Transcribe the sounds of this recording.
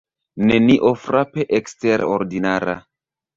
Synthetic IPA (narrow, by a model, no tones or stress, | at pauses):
neniʔofɾapeʔeksteɾo̰ɾdinaɾa̰